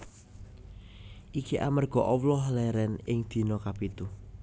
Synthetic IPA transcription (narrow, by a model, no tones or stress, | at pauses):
ʔikiʔa̰mərɡ̥ɔ̤ʔɔwlɔhlɛɾɛnɪŋd̪̥i̤nɔkapit̪u